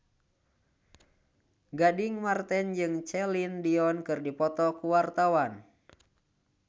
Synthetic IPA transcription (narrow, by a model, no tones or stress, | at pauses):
ɡadiŋmart̪ɛnd͡ʒɨŋt͡ʃɛlindiɔnkɨrdipɔt̪ɔkuwart̪awan